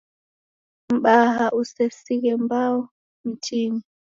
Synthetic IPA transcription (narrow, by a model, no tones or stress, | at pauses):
m̩ɓaɦaʔusɛsiɣɛmbaɔ | m̩tiɲi